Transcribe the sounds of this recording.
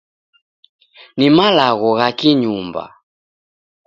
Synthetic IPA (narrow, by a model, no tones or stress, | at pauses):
nimalaɣɔɣakiɲumba̰